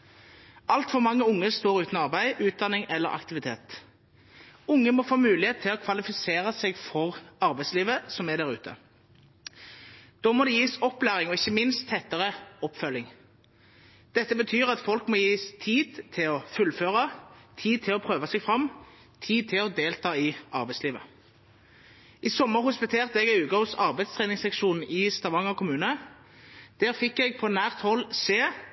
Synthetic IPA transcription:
ʔɑlt̪fɔʁmɑŋːəʊŋːəst̪oːɾʉːt̪nɑʁbæɪʉːt̪̚d̪ɑnɪŋɛlːə̰ɾʔɑ̰kt̪ɪʋɪt̪ʰḛːt̪ | ʊŋːəmɔfoːmʉːlɪheːt̪t̪ʰːɪlɔkʰʋɑlɪfɪseːʁəsɛɡfɔʁɑʁbæɪsliːʋəsɔmæd̪æʁʉ̰ːt̪ʰə̰ | d̪̥ɔːmɔd̪ɛjiːsɔpːlæːʁɪŋɔɪçːəmɪnst̪ʰːɛt̪ːəʁəɔpːfœlːɪŋ | d̪̥ɛt̪ːəbət̪ʰyːʁɑt̪fɔlkmoːjiːst̪ʰiːd̪̥t̪ʰɪlɔfʉlføːʁɑt̪ʰiːd̪̚t̪ʰɪlɔpʰʁøːʋɑsɛɡfʁɑm | t̪ʰiːd̪̚t̪ʰɪlɔd̪eːlt̪ʰɑːɪɑʁbæɪsliːʋə | isɔmːəʁhʊspɪt̪ʰeːʁt̪əɛɡɛʉːɡɑhʊsɑʁbæɪd̪st̪ʰʁeːnɪŋsɛkʃuːnn̩ɪːst̪ɑʋɑŋɔkʰʊmʉːnə | d̪̥æːʁfɪkːɛɡ̚pʰɔnæːʁt̪hɔlːseː

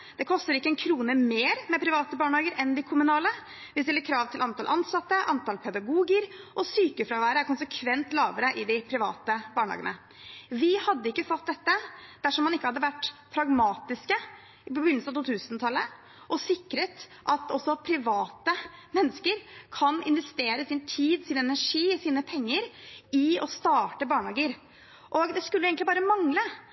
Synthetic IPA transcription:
d̪̥ɛkʰɔst̪əɾɪkːəɛnkʰɾuːnəmeːɾmɛpʰɾɪʋɑːt̪əbɑːɳhɑːɡəɾʔɛnd̪ɪkʰʊmʉnɑːlə | ʋɪst̪ɪlːəɾkʰɾɑːʋt̪ʰɪlʔɑnt̪ʰɑlʔɑnsɑt̪ːəʔɑnt̪ɑlpʰɛd̪ɑɡuːɡəɾʔɔsyːkəfɾɑːʋæːɾəæɾkʊnsəkʰʋɛnt̪lɑːʋəɾəʔɪd̪ɪpʰɾɪʋɑ̰ːt̪əbɑːɳhɑ̰ːɡə̰nə | ʋɪhɑd̪ːəɪkːəfɔt̪̚d̪ɛt̪ːəd̪̥æʂɔmːɑnɪkːəhɑd̪ːəʋæʈːpʰɾɑɡmɑːt̪ɪskə | ɪpɔbɪnːlsəɑt̪ʰuːt̪ʰʉːsənt̪ʰɑlːə | ʔɔsɪkːɾət̪ʔɑt̪ɔsɔpʰɾɪʋɑːt̪əmɛnːəskəɾkʰɑnɪ̰nʋɛst̪eːɾəsɪnt̪ʰiːd̪sɪnɛnæʂiːsiːnəpʰɛŋːəɾɪɔst̪ɑːʈəbɑːɳhɑːɡəɾ | ʔɔɡd̪ɛskʉlːəjeːɡnt̪ɪbɑːɾəmɑŋlə

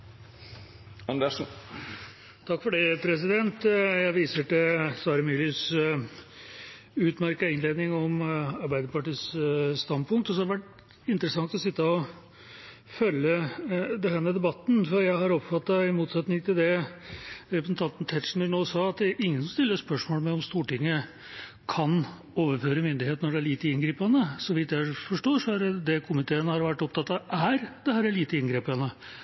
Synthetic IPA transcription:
ɑnd̪əʂ | t̪ʰɑkːfɔɖɛpʰɾɛs̬ɪd̪ɛnt̪jæɪʋiːsəʈɛsʋɑːɾəmylɪs | ʉːt̪mæɾkɑɪnleːd̪nɪŋɔmɑɾbæɪd̪əpɑʈiːsst̪ɑnd̪pʰʊŋkt̪ɔsɔhɑɖəʋæʈː | ɪnt̪əɾəsɑŋt̪ɔsɪt̪ːəɔ | fœlːəd̪ɛnhæːmɛd̪ɛbɑt̪ːn̩fɔɾjæɪhɑɾɔpfɑt̪ːɑɪmuːt̪sɛt̪nɪŋt̪ʰɪld̪ɛ | ɾɛpsn̩t̪ʰɑnt̪n̩t̪ʰɛt̪ʂn̩ənoːsɑːɑt̪̚d̪ɛæɾʔɪŋːənsɔmst̪ɪlːəʂspœʂmoːlmɛɔmst̪uːʈɪŋːə | kʰɑn | oːʋəɾføːɾəmʏnd̪ɪheːt̪nɔɖɛæɭiːt̪əɪnɡɾiːpɑnəsɔʋɪt̪jæɪfɔʂʈoːʂɔæɾd̪ɛkʰʊmɪt̪ʰeːənəhɑɾʋæʈːɔp̚t̪ɑt̪ːɑʔæɾd̪ɛɦæːɾɛt̪liːt̪əɪnɡɾeːpɑnə

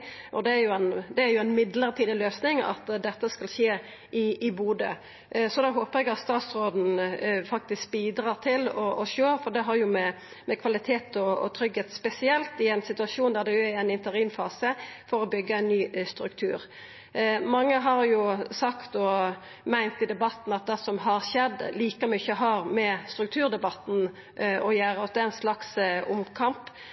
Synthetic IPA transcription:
ʔɔd̪ɛæɾjʊɛnd̪ɛæɾjʊæɪnmɪd̪ləɾt̪ʰiːd̪əløːsnɪŋɑ̰t̪d̪ɛt̪ːəskɑlʃeː | ʔɪɪbuːd̪ə | sɔd̪oɦoːpəʁɛɡɑt̪st̪ɑːt̪sɾoːd̪n̩fɑk̚t̪ɪsk̚biːd̪ɾɑʁt̪ʰɪlɔʔɔʃøːfɔɖ̪ɛɦɑɾjʊmɛ | mɛkʰʋɑlɪt̪ʰeːt̪ɔɔ̰t̪ʰɾʏɡheːt̪spɛsɪɛlt̪ɪæɪnsɪt̪ʉɑʃuːnd̪æɾd̪ɛjʊææɪnɪnt̪əɾiːmfɑːsəfɔɾɔbʏɡːəɛɪnːyːst̪ɾʉkt̪ʰʉ̰ːɾ | mɑŋːəɦɑɾjʊsɑkt̪ɔ | mæɪnt̪ɪd̪ɛbɑt̪n̩ɑt̪̚d̪ɛsɔmɦɑɾɕɛd̪ːliːkəmʏçəɦɑɾmɛst̪ɾʉk̚t̪ʰʉːɾd̪ɛbɑt̪n̩ | ɔjæːɾt̪d̪ɛæɪnslɑksʊmkʰɑmp

